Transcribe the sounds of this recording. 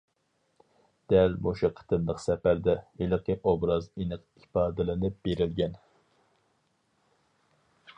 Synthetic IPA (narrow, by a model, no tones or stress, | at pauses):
d̪̥ɛlmoʃɨqʰə̥t̪ʰɨnlˠəqsɛpæɾd̪ɛelɪqʰəʔobɾɑzinɨq | ipɑːd̪ɨlɪnɪp̚b̥eɾɪlɡʲɛn